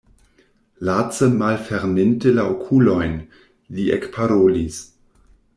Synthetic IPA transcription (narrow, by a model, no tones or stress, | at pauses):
lat͡səmalfɛʁmɪntəlaokʰulojn | liʔɛ̰kpʰaɾoːlis